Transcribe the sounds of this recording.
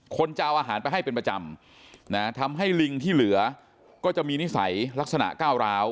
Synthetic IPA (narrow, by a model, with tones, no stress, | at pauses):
kʰo˧nt͡ɕaː˧wʔaː˧ɦaː˩˦npa˧jɦa˥˩jpe˧npɾa˧t͡ɕa˧m | na˦˥t̪ʰa˧mɦa˥˩jli˧ŋt̪ʰiː˥˩lɯ˩˦ɐ | kɔː˥˩t͡ɕa˨˩ʔmiː˧ni˦˥sa̰˩˦jla˦˥k̚sa˧na̰˨˩ʔkaː˥˩wɾaː˦˥w